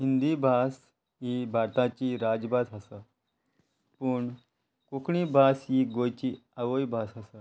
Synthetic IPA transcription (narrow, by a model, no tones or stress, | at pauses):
ɦind̪ibʱas | ɦibʱaɾt̪ãt͡ɕiːɾad͡ʑbad̪ɦasa | puɳ | kukɳibʱasɦiɡojt͡ɕiaʋojbʱasɦəsa